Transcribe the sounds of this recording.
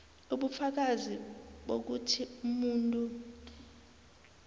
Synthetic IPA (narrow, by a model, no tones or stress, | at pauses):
uɓufak̬aziɓo̰k̬utʰiumuːntʼu